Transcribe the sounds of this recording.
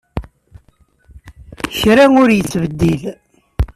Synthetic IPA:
çɾæŋʊɾjət͡sːvəd̪ːil

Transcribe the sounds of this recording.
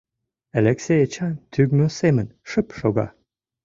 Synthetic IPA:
alʲeksʲejət͡ɕɑnt̪ʰyɡmøsemənʃəpʃoɡɑ̰

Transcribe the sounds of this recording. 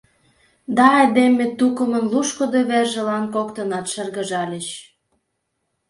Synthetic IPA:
d̪ɑɑjd̪emet̪ukə̆mə̆nluʃkŏd̪oβerʒə̆lɑnkokt̪ənɑt̪ʃə̆rɣə̆ʒɑlʲə̆t͡ɕ

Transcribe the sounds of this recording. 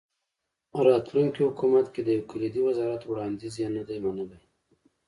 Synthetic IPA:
ɾɑt̪luŋkihʊkumat̪ked̪əjawkʊlid̪iwazɑɾat̪wɽɑnd̪izjanad̪ajmanəlaj

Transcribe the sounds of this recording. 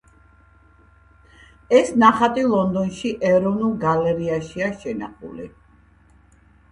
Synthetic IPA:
ɛsnaχat̪ʼilˠɔnd̪ɔnʃiʔɛɾɔvnulˠɡalɛɾiaʃiaʃɛnaχṵlḭ

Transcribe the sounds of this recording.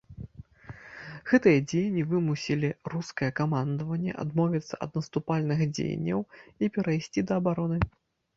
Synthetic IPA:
ɣɛt̪ɨjɐd͡zʲejnʲːivɨmusʲilʲiruskɐjɛkamand̪ɐvɐnʲːɛ̰ʔa̰d̪mɔvʲit̪sːɐɐ̰d̪nɐst̪upalʲnɨxd͡zʲḛj̰nʲːɐ̰wipʲɛɾɐjsʲt͡sʲid̪ɐːbaɾɔnɨ

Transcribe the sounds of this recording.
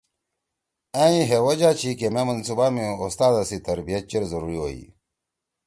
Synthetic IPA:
ãĩɦewod͡ʑaːt͡ɕʰikememɐnsubamĩost̪aːd̪ɐsit̪ɐɾbijɐt̪̚t͡ɕeɾzɐɾuɾiwoḭ

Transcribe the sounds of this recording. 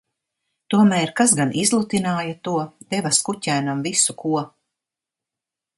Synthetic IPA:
t̪uɔmæːɾkasɡanʔizlˠut̪inaːjat̪uɔd̪̥evaskucʲæːnamvisukuɔ

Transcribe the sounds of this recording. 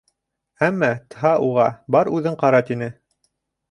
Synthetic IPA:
æmːɑt̪ɤɦɑʔuʁɑbɑɾʉðɘɴqɑɾɑt̪inɘ

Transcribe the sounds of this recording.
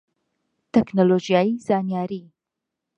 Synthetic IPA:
t̪ʰɛknolod͡ʒijaːjizaːnijaːɾi

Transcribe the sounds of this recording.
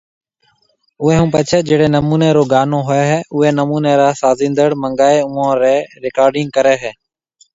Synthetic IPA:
ʊɦeːɦũːpət͡ʃʰeːd͡ʒeːɽeːnəmuːneːɾoːɡaːnõːɦʊeːɦɛːʔʊɦeːnəmuːneːɾaːsaːzĩːnd̪əɽməŋɡaːeːʊ̃ːãːɾeːɾɪkaːɾɖɪ̃ŋɡ̚kəɾeːɦɛː

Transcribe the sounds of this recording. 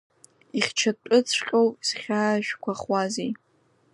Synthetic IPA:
iχʲt͡ʃʰatʼʊt͡sʰʷqʲʼowsχʲaːʃᶣkʷaχwazi

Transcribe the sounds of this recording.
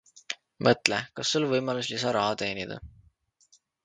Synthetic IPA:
mɤt̪ˑlekɑsːulvɤjmɑluslisɑɾɑɦɑt̪e̞ːnid̪̥ɑ̰

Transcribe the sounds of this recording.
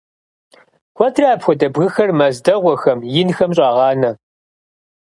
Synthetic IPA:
kʷʰɔtʰraːpxʷɔdɐbɣɨxɐrmɐzdɐʁʷɔxɐmjɪnxɐmɕʼɑːʁɑːnɐ

